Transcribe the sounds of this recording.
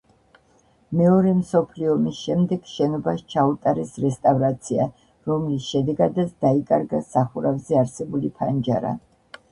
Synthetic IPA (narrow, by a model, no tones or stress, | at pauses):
mɛɔɾɛmsɔpʰliɔmisʃɛmd̪ɛɡ̥ʃɛnɔbaʃt͡ʃʰaut̪ʼaɾɛsɾɛst̪ʼavɾat̪sʰia | ɾɔmlisʃɛd̪ɛɡad̪at̪sʰd̪aikʼaɾɡasaχuɾavzɛaɾsɛbulipʰand͡ʒa̰ɾa̰